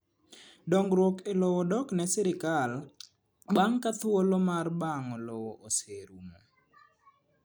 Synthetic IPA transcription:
dɔŋɡɾwokelɔwɔdɔknɛsɛɾɪkal | baŋkat̪wolomarbaŋɔlɔwɔʔoseɾumo̰

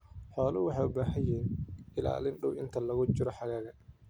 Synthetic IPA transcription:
ħɔːlʊwɑħɑjʊbaːɦɐjɛːnɪla̰ːlɪnɖʊwɪnt̪ʰɐlɐɣʊt͡ʃɪɾɔħɑɣaːɣɐ

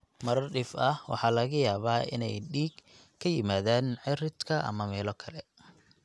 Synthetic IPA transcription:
mɐɾɐrɖɪfɐhwɑ̰ħɑːlɐɣɐjaːβaːɪ̰nɛ̰jɗiːɡ | kʰːɐjɪmaːðaːnʕɪrɪd̪kʰɐʔɐ̰mɐmɛːlɔkʰɐlɛ

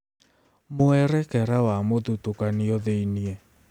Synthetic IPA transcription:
moɛɾɛkɛɾawamoðutokaniɔðeiniɛ

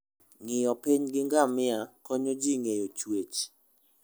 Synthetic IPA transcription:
ŋɪjɔpiɲɡɪŋɡamɪakɔɲod͡ʒiŋejot͡ʃwet͡ʃ

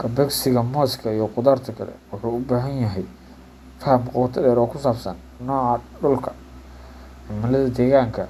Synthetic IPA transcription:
kʰɐbɛksɪɣɐmɔːskʰɐijɞqʊðart̪ʰɐkʰɐlɛ̰wʊħuːʊbaːɦɐnjɐɦɛj | fɐhɐmqɑwt̪ʰɐɗɛːɾɔːkʰʊsaːfsɐ̰nːɔːʕɑɖʊlkʰɐ̥ | ħɪmɐlɐðɐd̪ɛːɣaːŋkʰɐ

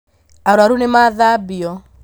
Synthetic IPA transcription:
aɾwaɾunemaðabiɔ

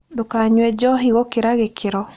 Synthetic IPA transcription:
dokaɲwɛd͡ʒɔɦiɣɔkeɾaɣekʰeɾɔ

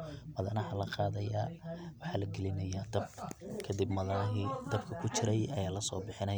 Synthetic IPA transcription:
mɐðɐnɑħɐlɐqɑːðɐja̰ːwɑħɑːlɐɡɛlɪnɐjaːd̪ɐbkʰɐd̪ibmɐðɐɦid̪̥ɐbkʰɐkʰʊt͡ʃɪɾɛjɐjaːlɐsɔːbɪħɪnɐj

